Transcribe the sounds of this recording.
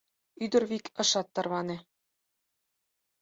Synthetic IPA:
yd̪ɘ̆ɾβikɤ̆ʃɑt̪ːɑ̆rβɑnĕ

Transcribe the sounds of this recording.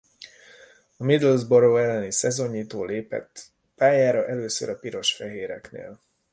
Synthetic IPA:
ɒmid̪lzboɾoːɛlːɛnisɛzo̞ɲːiːt̪oːleːpɛ̰t̪ː | paːjaːɾɒʔɛløːsø̰ɾɒpiɾo̞ʃfɛɦeːɾɛ̰knḛːl

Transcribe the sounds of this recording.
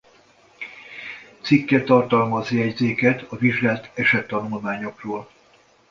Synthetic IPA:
t̪sikːɛt̪ɒrt̪ɒlmɒziɛɟzeːkɛt̪ɒviʒɡaːlt̪ɛʃɛt̪ːɒnulmaːɲo̞kroːl

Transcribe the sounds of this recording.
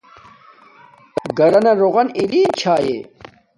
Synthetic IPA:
ɡɐɾɐnɐɾoʁɐniɾiːnt͡ɕʰaːjḛː

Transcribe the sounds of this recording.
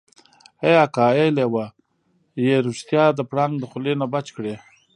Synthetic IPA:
ejakaelewa | jeɾust̪jɑd̪əpɽaŋɡd̪əxʊlenabat͡ʃkɽe

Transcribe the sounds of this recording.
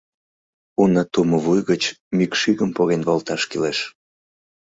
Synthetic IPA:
unət̪uməβujɣət͡ɕmikʃiɣəmpoɣenβolt̪ɑʃkileʃ

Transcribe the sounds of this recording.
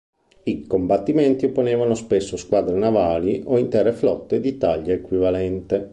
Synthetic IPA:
ikombat̪ːiment̪iopːoneːvanospesːoskwaːd̪ɾenavaːliʔoint̪ɛrːeflɔt̪ːed̪it̪aʎːaekwivalɛnt̪e

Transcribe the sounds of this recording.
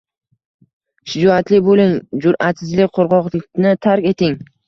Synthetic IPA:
ʃɪd͡ʒɒat̪lɪbolɪŋd͡ʒʊɾat̪sɪzlɪk̚ʲqʰoɾʁɒqlɪk̚ʲnɪt̪ʰaɾkʲe̞t̪ʰɪŋ

